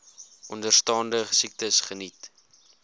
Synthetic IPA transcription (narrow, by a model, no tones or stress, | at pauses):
ʔɔndərstɑːndəsik̚təsχənit